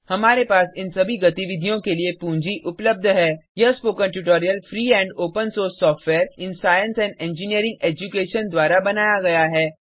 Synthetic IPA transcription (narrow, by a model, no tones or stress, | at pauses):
hɐmaːɾepaːsɪ̃nsɐbʱiɡɐt̪iʋɪd̪ʱijõkeliepũːɲd͡ʒiʔʊpləb̚d̪ʱɦɛːjɐspoːkənʈuʈ̬oːɾijəlfʰɾiːɦɛ̃ːɳɖoːpə̃nsoːɾsːɔːfʈʋɛːɾɪ̃nsaːjə̃nsɛ̃ːɳɖɛ̃ːɲd͡ʒɪniəɾɪ̃ŋɡeːd͡ʒukeːʃənd̪waːɾabɐnaːjaɡɐjaɦɛː